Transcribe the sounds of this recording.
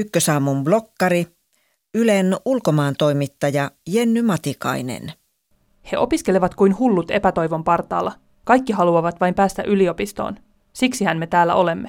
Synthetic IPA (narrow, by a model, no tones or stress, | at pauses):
ykːøsɑːmːumblo̞kːɑɾi | ylenulko̞mɑːnt̪o̞jmit̪ːɑjɑjenːymɑt̪ikɑ̰inḛn | he̞ʔo̞piske̞leʋɑt̪kujnhulːut̪e̞pæt̪o̞jʋo̞mpɑrt̪ˑɑ̰ːlːɑ | kɑjkːiɦɑluɑʋɑt̪ʋɑjmpæːst̪æ̰ʔylio̞pist̪o̰ːn | siksihænme̞t̪æːlːæ̰ʔo̞le̞mːe̞